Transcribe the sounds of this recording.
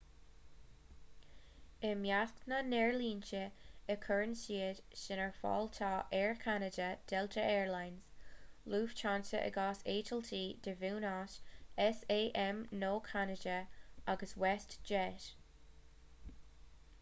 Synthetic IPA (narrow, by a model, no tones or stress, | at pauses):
əmjatnənɛɹliːnt͡ʃəəkʰəɹənsiːədʃɪnəɹfɑ̰ːlt̪ʰɑːʔɛːɹkʰanədəd̥ɛltʰəɛːɹlajnz̥luːv̥t͡ʃʰantə̰ʔə̰ɡaːseːtʰəltʰiːdəvuːnaːʃɛseːʔɛmnoːkʰanəd͡ʒəaɡəswɛstd͡ʒɛːt